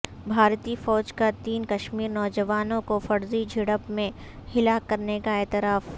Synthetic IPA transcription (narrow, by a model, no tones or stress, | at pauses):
bʱaːɾt̪ifɔːd͡ʒkat̪iːnkɐʃmiːɾnɔːd͡ʒəʋaːnõkofɐɾzid͡ʒʱɪɽəpmẽ | hɪlaːkːɐɾnekaɛːt̪ɪɾaːf